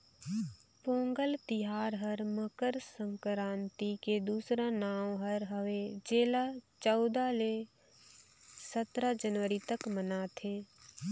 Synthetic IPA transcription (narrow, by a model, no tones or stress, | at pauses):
põːŋɡəlt̪ɪɦaːɾɦəɾməkəɾsə̃ŋkɾãːnt̪iked̪uːsɾanaːwɦəɾɦəʋed͡ʒeːlat͡ʃɔʊd̪ale | sət̪ɾad͡ʒənwəɾit̪əkmənaːt̪ʰẽː